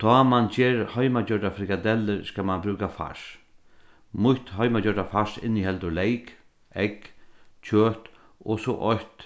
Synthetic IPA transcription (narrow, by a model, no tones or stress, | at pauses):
t̪ʰɔːmant͡ɕeːɾhœjmad͡ʑœɖafɾɪkad̪ɛlːəɾskamanbɾʉːkafa̰ʃ | mʊht̪hœjmad͡ʒœɖafaʂɪ̰nːihɛlt̪ʊlejk | ɛkt͡ʃʰøːt̪ | ɔsɔʔɔjt̪